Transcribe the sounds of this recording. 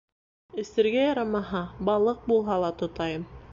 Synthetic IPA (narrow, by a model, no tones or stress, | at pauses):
ɘ̆sɘ̆ɾɡæjɑɾɑmɑɦɑbɑlˠɤq̚bulˠɦɑlˠɑt̪ŏt̪ɑjɤm